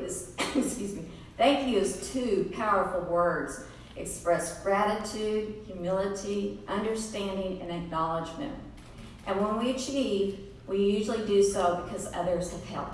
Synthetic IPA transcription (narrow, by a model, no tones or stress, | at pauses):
zskjʉzmi | θæ̃ŋkjɨɨz̥tʰʉpʰaʊə˞fl̩ˠwɜ˞dz̥ | ʔɨkspɹɛsɡ̥ɹæɾɨtʰʉd̥̚hjʉmɪlˠəɾiʔʌ̃ndə˞stæ̃ndɪ̃ŋɨ̰̃nɨk̚nɑlˠəd͡ʒmɨ̰̃nt | ʔɨ̃nwə̃nwit͡ʃʰiv | wijʉʒl̩ˠidɨsoʊbɨkʰʌzʌ̰ðə˞z̥ɨv̥ɛ̰lˠp̚